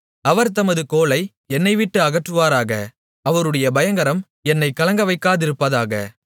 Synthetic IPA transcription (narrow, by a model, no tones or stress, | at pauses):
ɐʋɐɾt̪ɐmɐðɯkoːɭɐɪ | ɛnːɐɪʋɪʈːɯɐɣɐʈrɯʋaːɾaːɣɐ̰ | ɐʋɐɾɯɽɐjɐbɐjɐŋɡɐɾɐm | ɛnːɐɪkɐlɐŋɡɐʋɐɪkːaːðɪɾɯpːɐðaːɣɐ̰